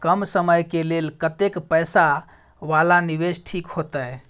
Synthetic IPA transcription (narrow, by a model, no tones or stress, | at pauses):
kəmsəməjkelelkət̪ekpəjsa | ʋalaniβesʈʰikhot̪əj